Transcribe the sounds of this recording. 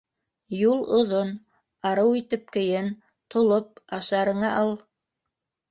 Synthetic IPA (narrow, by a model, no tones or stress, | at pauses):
julˠŏðon | ɑɾɤwit̪ɘp̚kɘ̆jɘn | t̪ŏlˠop̚ɑʃɑɾɤ̆ɴɑʔɑlˠ